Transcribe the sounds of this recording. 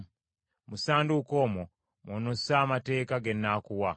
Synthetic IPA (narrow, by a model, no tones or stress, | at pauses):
musaːnduko̞ːmo | monosaːmate̞ːkaɡe̞nːakuwa